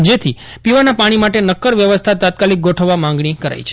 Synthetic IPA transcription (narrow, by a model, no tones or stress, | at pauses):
d͡ʒet̪ʰi | piʋanapaɽ̃imaʈenəkːəɾʋjəʋəst̪ʰat̪at̪̚kalik̚ɡoʈʰəʋːamãŋɡɳikəɾa̰jt͡ʃʰe̥